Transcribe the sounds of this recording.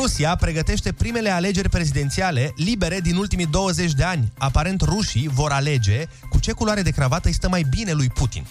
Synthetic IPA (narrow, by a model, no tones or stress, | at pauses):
usiapɾe̞ɡət̪e̞ʃt̪e̞pɾime̞le̞ale̞d͡ʒe̞rʲpɾe̞zid̪e̞nt̪siale̞libe̞ɾe̞d̪inult̪imid̪o̞wəze̞t͡ʃʲd̪e̞anʲapaɾe̞nt̪ruʃivo̞ɾale̞d͡ʒe̞ | kut͡ʃe̞kuloaɾe̞d̪e̞kɾavat̪əjst̪əmajbine̞lujput̪ḭn